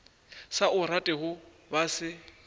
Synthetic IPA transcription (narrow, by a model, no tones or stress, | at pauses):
saʔʊratʼɛɦʊ | basɪ